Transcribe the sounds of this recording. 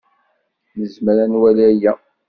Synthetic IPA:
nəzməɾænwælæjæ

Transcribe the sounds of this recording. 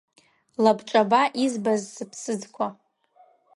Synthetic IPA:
labʈ͡ʂʼabaʔizbazːɨpʰsɨd͡zkʷʰa

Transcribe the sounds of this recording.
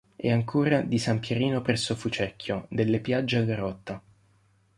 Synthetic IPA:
ɛaŋkʰoːɾad̪isampjeɾiːnopɾɛsːofut͡ʃɛkʰːjod̪elːepjad͡ʒːeaɡaɾɔt̪ːa

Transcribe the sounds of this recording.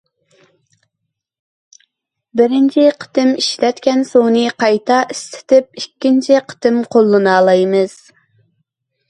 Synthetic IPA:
bɪɾɪnt͡ʃʰiqʰə̥t̪ɪmiʃlɛt̪kʲɛnsoŋnɨqʰɑjt̪ʰɑʔist̪ɪ̥t̪ɪp̚ikʲːint͡ʃʰiqʰə̥t̪ʰɪmqʰolˠːɨnɑːlˠɑjmɨz̥

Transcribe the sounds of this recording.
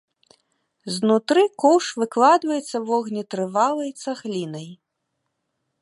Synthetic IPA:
znut̪ɾɨkɔwʂvɨklˠad̪vɐjɛt̪sːɐvɔɣnʲit̪ɾɨvalˠɐjt̪saɣlʲinɐj

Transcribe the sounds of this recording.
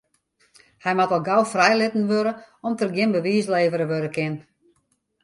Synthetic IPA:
hɛjmatɔlˠɡawfrɛjlɪtn̩ʋøɾəɔmtərɡjɪnbəʋiːsleːvəɾəʋøɾəkʰɪn

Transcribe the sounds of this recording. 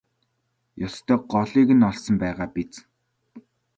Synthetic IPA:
jɔst̪ʰœːɢɔɮiːɣɘ̆nɔɮsɞ̆mpæːʁaːpit͡s

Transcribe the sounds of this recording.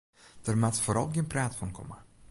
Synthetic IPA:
d̥ərmatfoːɾɑ̰lˠɡiənpraːtfɔnkʰɔ̰mə

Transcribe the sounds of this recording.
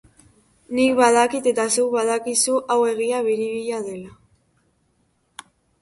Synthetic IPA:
nikβaðakit̪e̞t̪asewβaðakisuʔawe̞ɣ̞iaβ̞iɾiβiʎað̞e̞la

